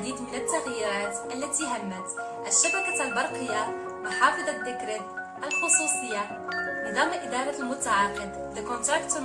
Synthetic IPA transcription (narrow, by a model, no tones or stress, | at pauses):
d̪iːd̪mənət̪ːaɣjiɾæːt̪ʔælːæt̪iɦæmːæt̪ | ʔæʃːabækalbɑɾˤqəjːa | mħɑːfɨd̪ˤɑd̪ːəkɾət̪ | ʔælxʊsˤuːsˤəjːa | ləd̪ˤɑmːʔɪd̪ɑɾˤɑlmʊt̪aʕaːqəd̪ | ləkʊnt̪ɾˤɑk̚t̪